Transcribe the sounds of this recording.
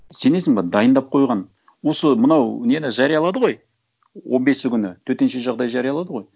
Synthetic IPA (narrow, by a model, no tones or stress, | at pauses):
se̞ne̞sɪŋbɑd̪ɑjənd̪ɑp̚qʰo̞jʁɑn | wo̞səmənɑwnenɪʒɑɾijɑlˠɑd̪əʁo̞j | wo̞nbe̞sɪkʲʏnɪt̪ʰɵt̪e̞nʃe̞ʒɑʁd̪ɑjʒɑɾijɑlˠɑd̪əʁo̞j